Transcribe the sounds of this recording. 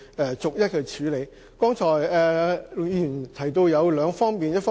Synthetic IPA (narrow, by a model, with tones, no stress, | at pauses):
ɛ˨˩t͡sʊ˨k̚jɐ˥t̚kʰɵ˧t͡ʃʰyː˨˧˥le˨˧j | kɔː˥ŋt͡ʃʰɔː˨˩jɛː˨jyː˨˩nt̪ʰɐ˨˩jt̪o˧wjɐ˨˧wlœː˨˧ŋfɔː˥ŋmiː˨njɐ˥t̚fɔː˥